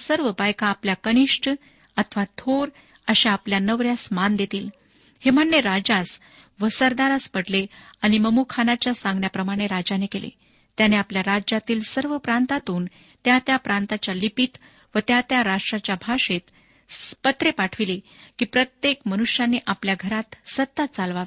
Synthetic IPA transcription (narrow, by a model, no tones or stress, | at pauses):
səɾʋəbajkaːpljakəniʂʈʰ | ət̪ʰʋat̪ʰoɾ | əɕeapljanəʋɾjasmand̪et̪iːl | hem̤əɳːeɾad͡zas | ʋəsəɾd̪aɾaspəɽleaɽ̃iməmukʰanat͡ɕjasãŋɡɳjapɾəmaɽ̃eɾad͡ʑanekelḛ | t̪janeapljaɾad͡ʑat̪iːlsəɾʋəpɾant̪at̪uːn | t̪jat̪japɾãnt̪at͡ɕjalipit̪ | ʋət̪jat̪jaɾaʂʈɾat͡ɕjabʱaʂet̪ | pət̪ɾepaʈʰʋilikiːpɾət̪jekmənuʂjaneʔapljaɡʱəɾat̪sət̪ːət̪̚t͡salʋaʋ